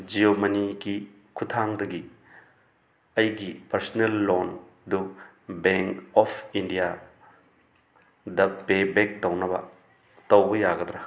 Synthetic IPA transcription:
d͡ʒiomɐniɡi | kʰutʰaŋdɐɡi | ɐjɡipɐɾsnelːon | du | beŋkɔpʰindija | dɐpebek̚dɐwnɐbɐ̰ | tɐwbɐjaɡɐd̪ɾɐ

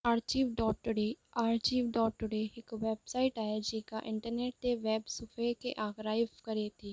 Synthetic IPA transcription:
aːɾt͡ʃiːʋɖɔːʈ̚ːʊɖeːaːɾt͡ʃiːʋɖɔːʈːʊɖeːɪkʋɛːbsaːɪʈaːed͡ʒeːka̰ːʔɪ̃ɳʈəɾneːʈ̚t̪eːʋɛːbsʊpʰeːkḛːʔaːɡɾaːɪʋkəɾeːt̪ʰiː

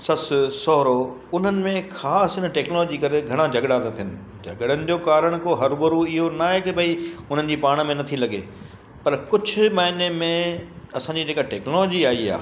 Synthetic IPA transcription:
sɐssɔːɾo | ʊn̤ənɪ̆mẽxʰaːsɦɪnəʈɛːknolɔːd͡ʑikɐɾeɡʱɐɽ̃ãd͡ʑʱɐɡɽaːt̪at̪ʰijənɪ̆ | d͡ʑʱɐɡɽənɪ̆d͡ʑoːkaːɾəɽ̃koɦɐɾbɐɾuɪɦonaɦekebʱɐiʊn̤ənɪ̆d͡ʑiːpaːɽ̃mẽnɐt̪ʰilɐɡḛ | pɐɾkʊd͡ʑʱʊ̆maːɪnemẽɐsãɲd͡ʑid͡ʑeːkaʈeːknɔlɔːd͡ʑiaːia̰ː

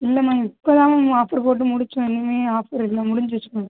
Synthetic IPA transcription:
ɪlːɐmaːɪpːoðaːɐ̃aːfɐɾpoːʈ̬ːɯmʊɽɪt͡ʃːʊ̃ɛnːɯmeːaːfɐɾɪlːɐmʊɽɪɲd͡ʒɯʋɐt͡ʃːɯkʊ̃

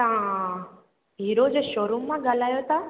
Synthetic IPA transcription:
t̪ãã | ɦiːɾod͡ʑeʃoːɾumːãɠaːl̤aːjot̪ʰa

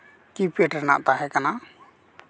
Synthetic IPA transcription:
kipiəʈəɾna̰ʔt̪aɦɛkanaʔ

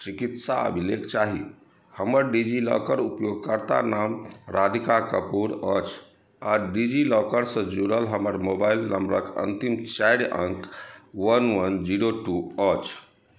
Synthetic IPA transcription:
t͡ʃikit̪saə̰bʱilekt͡ʃaɦi | həməɾɖid͡ʒilɔ̰kəɾupjoɡ̚kəɾt̪a̰namɾad̪ʱikakəpuɾət͡ʃʰ | aɖid͡ʒilɔkəɾsə̃d͡ʒuɽəlɦəməɾmobailnəmbɾəkə̰nt̪imt͡ʃajɽəŋkwənwənd͡ʒiɽoʈuət͡ʃʰ

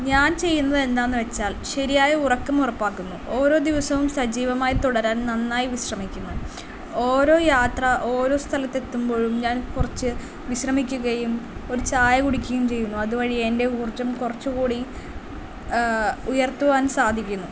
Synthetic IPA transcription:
ɲaːnt͡ɕe̞jːunːɐðe̞nd̪aːnːɨʋe̞t͡ɕːaːlɕɐɾijaːjɐurɐkːɐmurɐpːaːkːunːuo̞ːɾo̞ːd̪iʋɐsɐʋumsɐd͡ʑiːʋɐmaːjit̪uɽɐɾaːnnɐnːaːjiʋiɕrɐmikʲːunːu | oːɾo̞ːjaːt̪rɐʔo̞ːɾo̞ːst̪ʰɐlɐt̪ːe̞t̪ːumbo̞ːɻumɲaːnkurɐt͡ɕːɨ | ʋiɕrɐmikʲːuɣɐjumo̞ɾut͡ɕaːjɐɣuɽikʲːɐjumt͡ɕe̞jːunːuɐðuʋɐɻiende̞uːrt͡ɕːɐmkurɐt͡ɕːukuːɽi | ujɐrt̪ːuʋaːnsaːd̪ʱikʲːunːu

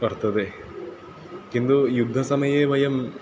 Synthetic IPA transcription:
pɐɾt̪ɐd̪e | kind̪ujud̪ʱːɐsɐmɐjeːbʱɐjɐm

